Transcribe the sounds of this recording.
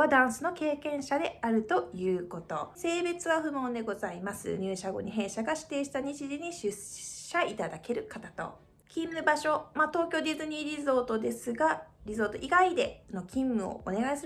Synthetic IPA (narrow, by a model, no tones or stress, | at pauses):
ad̪ãɰ̃sɨno̞ke̞ːkẽ̞ɰ̃ɕad̪e̞aɾɯ̟t̪o̞jɯ̟ːko̞t̪o̞̰se̞ːbe̞t͡sɨβaɸɯ̟mõ̞nd̪e̞ɡo̞zaimasɨ̰ɲ̟ʲɨːɕaɡo̞̰ɲ̟iɦẽ̞ɰ̃ɕaɡaɕi̥t̪e̞ːɕi̥t̪aɲ̟it͡ɕiʑiɲ̟iɕɨɕait̪ad̪ake̞ɾɯ̟kat̪at̪o̞̰ | kʲĩmːɯ̟baɕo̞mat̪o̞ːkʲoːdizɨɲ̟iɾʲizo̞ːt̪o̞d̪e̞sɨɡaɾʲizo̞ːt̪o̞̰ʔiɡaid̪e̞no̞kʲĩmːɯ̟o̰ʔo̰ne̞ɡaisɨɾ